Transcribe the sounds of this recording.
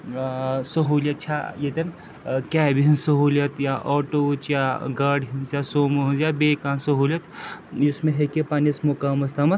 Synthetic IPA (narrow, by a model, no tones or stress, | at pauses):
sɐɦuːlʲɐt̪̚t͡ʃʰajet̪ɐn | kʲɛːbɦinsɐɦuːlɐt̪jaʔɔːʈot͡ʃjaɡɐɾɖɦinzjasoːmuɦinzjabeːkaːnsɐɦuːlʲjɐt̪jismẽɦekepaːnismokaːmɐst̪amɐ